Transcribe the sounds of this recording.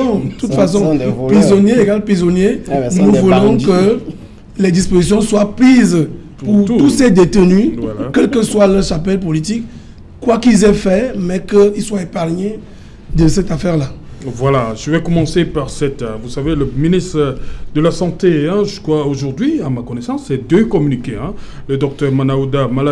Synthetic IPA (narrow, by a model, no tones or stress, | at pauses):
ɔ̃d̪ət̪ut̪fas̬ɔ̃pizɔnjeeɡalpizɔnjenũvulɔ̃kə | lɛd̪ispozisjɔ̃swapliz | ppuʁt̪t̪usɛd̪et̪ənylkɛlkəswaləʁʃapɛlp̬olit̪ik | kwakilzɛfɛmɛkəilswaepaʁɲe | d̪ɑ̃sɛt̪afɛʁlavwalaʒ̥əvɛkɔmɑ̃sepaʁsɛt̪vusaveləminist̪ʁəd̪əlasɑ̃t̪eɛ̃ʒyskwaoʒuʁd̪ɥiamakɔnɛsɑ̃sːɛd̪økɔmynikeɛ̃ | ləd̪ɔk̚t̪œʁmanaod̪amala